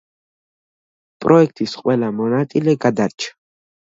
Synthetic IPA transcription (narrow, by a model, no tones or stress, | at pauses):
pʼɾɔɛk̚ʰt̪ʼisqʼwɛlamɔnat̪ʼilɛɡad̪aɾt͡ʃʰḁ